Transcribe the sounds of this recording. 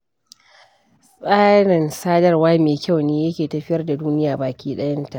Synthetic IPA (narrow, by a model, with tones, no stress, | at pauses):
sʼaː˦ɽɐ˨nsaː˦dɐ˦rwaː˦meː˨kʲa˦˨wneː˦jɐ˦kʲeː˨tɐ˨ɸɪ˦jɐ˦rda˨duː˦nɪ˦jaː˨baː˨kʲʰiː˦ɗɐ˦jɐ˦nta˨ʔ